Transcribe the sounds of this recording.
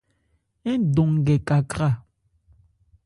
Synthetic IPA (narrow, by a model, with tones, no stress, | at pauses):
e˦n̩˦do˨ŋ̩˨ɡɛ˨ka˨kɾa˦˨